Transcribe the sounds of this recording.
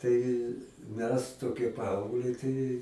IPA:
ˈtɐɪ ˈmʲɛs toːˈkʲiɛ ˈpɐɐʊɡlʲɛɪ tɐɪ

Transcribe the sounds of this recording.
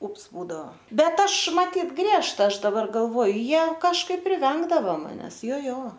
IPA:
ˈʊps ˈbuːdɐoː ˈbʲɛt ˈɐʃ mɐˈtʲiːt ˈɡrʲiɛʃtɐ ˈɐʃ dɐˈbɐr ɡɐlˠˈʋoːjʊ ˈjiɛ kɐʃˈkɐɪp pʲrʲɪˈʋʲɛŋɡdɐʋɐ mɐˈnʲɛs ˈjoː ˈjoː

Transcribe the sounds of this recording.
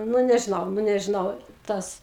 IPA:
nʊ nʲɛʒʲɪˈnɐʊ nʊ nʲɛʒʲɪˈnɐʊ ˈtɐs

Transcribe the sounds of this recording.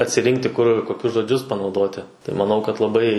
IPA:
ɐtʲsʲɪˈrʲɪŋktʲɪ kʊr koːˈkʲʊs ʒoːˈd͡ʒʲʊs pɐnɐʊˈdoːtʲɪ tɐɪ mɐˈnɐʊ kɐt lˠɐˈbɐɪ

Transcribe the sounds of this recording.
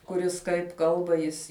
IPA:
kʊˈrʲɪs kɐɪp ˈkɐlˠbɐ ˈjɪs

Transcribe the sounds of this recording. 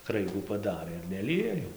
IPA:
ˈkrɐɪɡuː pɐˈdɑːrɘ ɪr nʲɛˈlʲɪjɛ jɛʊ

